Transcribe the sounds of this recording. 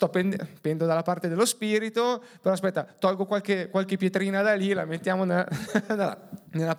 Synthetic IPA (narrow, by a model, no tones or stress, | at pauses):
st̪ɔpːend̪pɛnd̪od̪alːapart̪ed̪elːospiːɾit̪opeɾɔaspɛt̪ːat̪ɔlɡokwalkekwalkepːjet̪ɾiːnad̪alila̰met̪ːjaːmonnla̰nelːa